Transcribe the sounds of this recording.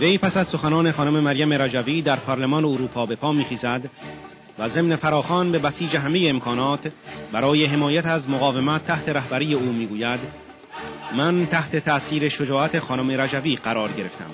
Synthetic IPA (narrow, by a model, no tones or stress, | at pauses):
ve̞jpʰæsæzso̞xænɒːne̞xɒːnome̞mæɾjæme̞ɾæd͡ʒæviːd̪æɾpʰɒːɾlemɒːneoɾuːpʰɒːbe̞pʰɒːmiːχiːzæd̪ | væze̞mne̞fæɾɒːxɒːnbe̞bæsiːd͡ʒe̞ɦæme̞je̞ːmkʰɒːnɒːt̪ʰbæɾɒːje̞ɦe̞mɒːjæt̪æzmoɣɒːve̞mæt̪ʰːæht̪ʰe̞ɾæhbæɾiːje̞uːmiːɡuːjæd̪ | mænt̪ʰæht̪e̞t̪ʰæʔsiːɾe̞ʃo̞d͡ʒɒːʔæt̪ʰe̞xɒːnome̞ɾæd͡ʒæviːɢæɾɒːɾɟe̞ɾe̞ft̪æ̰m